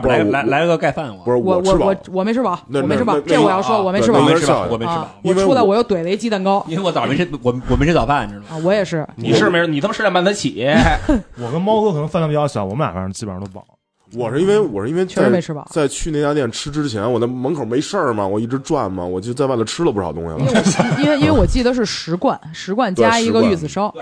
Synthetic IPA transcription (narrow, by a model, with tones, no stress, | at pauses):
ɪ˧la˧ɪla˧˥˧ɡka˧ɪfa˥˩nwɔ̰˨˩˧ɔ˧˩˧w̩˩˥˩ɔ˨˧˩wɔ˨˩me˧˥ɪʈ͡ʂʰɻ̩˥˩bɑ˨˩n˧˨˥ʂɻ̩˥˩˧n˥˩˥wɔ˨˩jɑ˥˩ʂwɔ˥wɔ˨˩me˧˥˧me˧˥ʂ̩˥˩˨wɔ˨˩˧ɪɻ̩˥˧˩wɔ˨˩˥u˥la˨˧wɔ˨˩jo˥˩t̪we˨˩ɪlə˧i˧˥t͡ɕi˥t̪ə˥˩ŋkɑ˥ʊi˥˧e˥˧wt̪ɑ˨˩mi˧˥˩wɔ˨˩wɔ˨˩me˥ʈ͡ʂ̩ʰ˥t͡sɑ˨˩fa˥˩n˧e˥˧˩ʈ͡ʂʊ˨˩˧wɔ˧˥jɛ˨˩ʂɻ̩˥˩ni˨˩ʂɻ̩˥˩˧me˧˥˧ni˨˩a˥˧m˧ʂɻ̩˥˧jpa˥˩nt̪ʰa˥t͡ɕʰḭ˨˩jɛ˥wɔ˨˩kə˥nmɑ˥ʊkɤ˥˩kʰnɤ˧˥ŋfa˥˩nʰ˥˩pːjɑ˥˩ɕjɑ˧˩˦wɔ˨˩˦mə˦na̰˨˩fa˧˥t͡ɕi˥˩pə˨˩ɻt̪o˧˥pɑ̰˨˩˦ | wɔ˨˩ʂɻ̩˥˧i˥n˥we˥˧ɪwɔ˨˩ʂɻ̩˧i˥n˥e˧t͡ɕʰme˧˥ɪʈ͡ʂʰɻ̩˥˧bɐ̰˨˩t͡sa˥˧ɪt͡ɕʰy˥˧ne˥˩ɪt͡ɕja˥t̪jɛ˥˩nʈ͡ʂʰɻ̩˥ʈ͡ʂɻ̩˥t͡ɕʰjɛ˧˥n˧wɔ˨˩d̪ə˦mə˧˥ŋkʰo˨˩ʊme˧˥ɪʂə˥˩mɐ˨˩wɔ˨˩i˥˩ʈ͡ʂɻ̩˧˥ʈ͡ʂwa˥˩nmɐ̰˩wɔ˨˩t͡ɕo˥˧˥t͡sa˥˧wa˥˩ɪlə˩ʈ͡ʂʰɻ̩˥lə˧pu˥˩˧ɑ˨˩ʊt̪ʊ̰˥ŋɕjɑ̰˧˥ne˥˧˥nwe˥˧wɔ˨˩t͡ɕi˥˩d̪ə˩ʂ̬ɻ̩˥˩ʂɻ̩˧˥kwa˥˩nʂɻ̩˧˥kwa˥˩nt͡ɕja˧˥i˧˥ɡə˧y˥˩d͡zɹ̩˨˩ʂo˥ʊ